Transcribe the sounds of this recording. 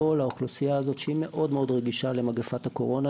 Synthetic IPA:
olauχlusijaːzo̞t̪ʃeime̞ʔo̞dmeo̞dʁeɡiʃale̞maɡefathako̞ʁo̞na

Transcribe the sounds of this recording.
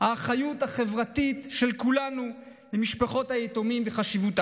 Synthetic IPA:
haːχajuthaχe̞vʁatitʃelkulanu | bemiʃpaχo̞thajetomimveχaʃivuta

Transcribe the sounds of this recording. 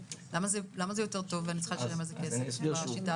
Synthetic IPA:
lamazelamazejo̞te̞ʁto̞veanit͡se̥χalʃalemazekeseaʃita

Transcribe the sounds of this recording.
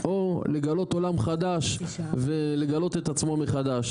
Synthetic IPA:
ʔo̞le̞ɡalo̞t̪o̞lamχad̪aʃvele̞ɡalo̞t̪et̪at͡smo̞meχad̪aʃ

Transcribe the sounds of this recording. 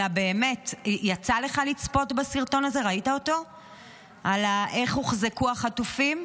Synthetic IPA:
abe̞ːme̞tjat͡sale̞χalit͡spo̞tbasiʁto̞naze̞ʁaitaoto̞ | alaʔe̞χhuχzekuaχatufim

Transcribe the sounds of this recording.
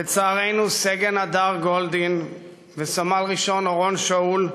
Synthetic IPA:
bet͡saːʁe̞jnuseɡenad̪aʁɡo̞ld̪in | vesamalʁiʃo̞noʁo̞nʃaul

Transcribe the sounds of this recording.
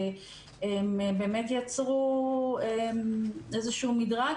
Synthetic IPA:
emebeːmetjat͡sʁuemezeʃumidʁa

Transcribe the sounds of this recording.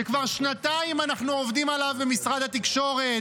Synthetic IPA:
ekvaʁʃnat̪aimanaχnuovd̪imalavbemisʁad̪hat̪ikʃo̞ʁe

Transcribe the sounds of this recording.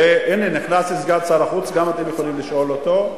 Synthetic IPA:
eʔeniniχnaslisɡat͡salaχut͡sɡamat̪emjeχolimliʃʔo̞lot̪o̞

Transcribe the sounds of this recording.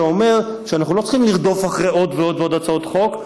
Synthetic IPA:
ome̞ʁ | ʃeanaχnulo̞t͡sə̥χimliʁd̪o̞faχʁeo̞d̪veo̞d̪veo̞dat͡saot̪χo̞k

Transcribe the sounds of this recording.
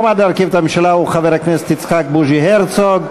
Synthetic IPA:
mad̪leaʁkivet̪amemʃalauχaveʁhaknese̥t̪it͡sχak̚buʒiheʁt͡soɡ

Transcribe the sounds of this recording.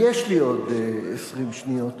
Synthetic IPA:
jɛʃliodesʁimʃnio̞t

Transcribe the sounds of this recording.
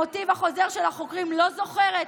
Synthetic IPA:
ot̪ivaχo̞zeʁʃelhaχokʁimlo̞zo̞χeʁet

